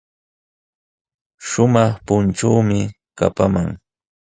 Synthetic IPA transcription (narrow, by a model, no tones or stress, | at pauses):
ʃʊmɑχpʊnʈ͡ʂawmɪ | ka̰pamaŋ